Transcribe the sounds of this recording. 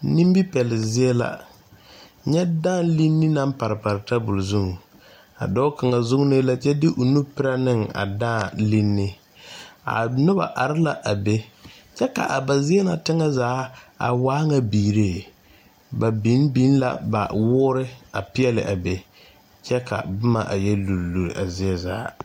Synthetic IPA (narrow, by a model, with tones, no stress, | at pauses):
ni˦m˦bi˦pɛ˨lɪ˨zɪ˦ɛ˦la̰˨ | ɲɛ˦da˦˨nli˦nːɪ˦na˦mpa˨ɾɪ˨pa˨ɾɪ˨ta˦bʊ˨lzu˦ŋ˨ | a̰˨dɔ˦ka˨ŋa˨zʊ˦ŋ˦nɪ˦la˦t͡ʃɛ˦dɪ˦ʔo˨nu˦pɪ˦ɾa˦nɪ˦˨ŋa̰˨daː˦˨li˦nːɪ˦ | a̰˨nʊ˦ba̰˨ʔa˨ɾɪ˦la˨ʔa˨be˦ | t͡ʃɛ˦ka̰˨ʔa˨ba˨zɪ˦ɛ˦na˨tɪ˦ŋa˦zaː˨˦a̰˨waː˦ŋa˨biː˨ɾeː˦˨ | ba˨bi˨˦nbi˦nla̰˨ba̰˨wʊː˦ɾɪ˦a˨pɪ˦ɛ˦lɪ̰˨ʔa˨be˨ | t͡ʃɛ˦kʰa̰˨bʊ˦ma̰˨ʔa̰˨jɛ˦lu˨ɾlu˨ɾḭ˨ʔa˨zɪ˦ɛ˦zaː˨˦